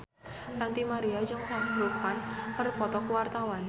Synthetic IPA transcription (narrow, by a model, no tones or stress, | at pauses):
nant̪imaɾiad͡ʒʊŋsaɦɾukanpərpɔt̪ɔkuwart̪awan